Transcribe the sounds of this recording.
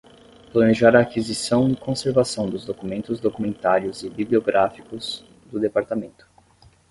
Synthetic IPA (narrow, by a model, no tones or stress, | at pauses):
plɐneʒaɾɐːkizisɐ̃w̃ɪkõseɾvasɐ̃w̃d̪ʊzd̪okumẽnt̪ʊzd̪okumẽnt̪aɾjʊzɪbiblioɡɾʔafikʊz̥ | d̪ʊd̪epaɾt̪amẽnt̪ʊ̥